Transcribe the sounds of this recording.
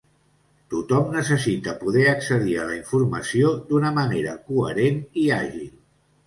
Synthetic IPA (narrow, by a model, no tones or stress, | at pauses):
t̪ut̪ɔmnəsəsit̪əpuðɛəksəðiələiɱfuɾməsiod̪unəməneɾəkuəɾeniaʒilˠ